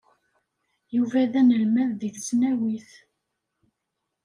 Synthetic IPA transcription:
juvæðænəlmæððiθsnæwiθ

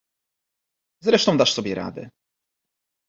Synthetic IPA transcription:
zɾɛʂt̪ɔ̃w̃d̪aʂsɔbʲjɛɾa̰d̪ɘ̰

